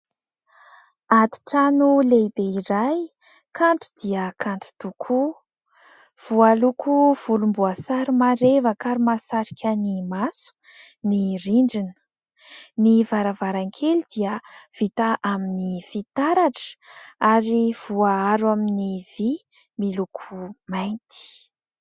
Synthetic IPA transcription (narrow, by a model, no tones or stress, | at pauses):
at̪i̥ʈ͡ʂanulejbeiɾaj | kʰaɳʈ͡ʂu̥d̪̥iəkʰantu̥t̪ukʰu | v̥ualukʰuv̥ulumbuasaɾimaɾevəkaɾumasaɾikʲʰənimasu̥ | niriɳɖ͡ʐinə̥ | nivaɾavaɾaŋkʰelid̪iəv̥it̪aʔaminifit̪aɾaʈ͡ʂə̥aɾiv̥uaaɾwaminiv̥i | milukʰumajnt̪i̥